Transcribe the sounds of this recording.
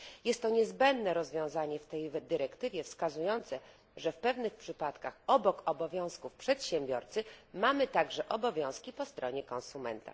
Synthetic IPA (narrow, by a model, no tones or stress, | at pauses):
jɛst̪ːɔɲɛzbɛnd̪nɛɾɔzvʲjɔ̃w̃zaɲɛft̪ɛjvd̪ɘɾɛkt̪ɘvʲjɛfskazujɔnt̪sɛ | ʐɛfpɛvnɘxpʂɘpat̪kaxɔbɔkɔbɔvʲjɔ̃w̃skufpʂɛt̪ɕɛmʲbʲjɔɾt̪sɘmamɘt̪aɡʐɛʔɔbɔvʲjɔ̃w̃skʲipɔst̪ɾɔɲɛkɔ̃nsumɛ̰nt̪a̰